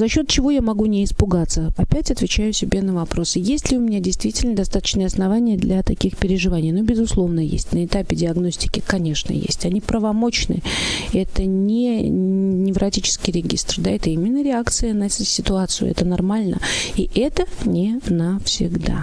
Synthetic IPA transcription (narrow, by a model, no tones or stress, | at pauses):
zɐɕːo̞t̪̚t͡ɕɪvo̞jamɐɡunʲɪɪspʊɡat̪sːəɐpʲætʲɐt̪vʲɪt͡ɕæjʊsʲɪbʲenəvɐpɾo̞sɨjesʲtʲlʲɪʊmʲɪnʲadʲɪjst̪vʲitʲɪlʲnəd̪ɐst̪at̪ə̥t͡ɕnɨjəɐsnɐvanʲɪjəd̪lʲʔɐt̪ɐkʲixpʲɪɾʲɪʐɨvanʲɪjnobʲɪzʊslˠo̞vnəjḛsʲtʲnəɪt̪apʲɪdʲɪɐɡno̞sʲtʲɪ̥kʲɪkɐnʲe̞ʂnə̰jḛsʲtʲɐnʲipɾəvɐmo̞t͡ɕnɨ̰ɛt̪ənʲɪ | nʲɪvɾʔɐtʲit͡ɕɪ̥skʲɪjɾʲɪɡʲḭst̪rd̪aɛt̪əimʲɪnːəɾʲɪakt̪sɨjənɐsʲɪt̪ʊat̪sɨjʊ̰ɛ̰t̪ənɐrmalʲnə̰iʔɛt̪ənʲɪnəfsʲɪɡd̪a̰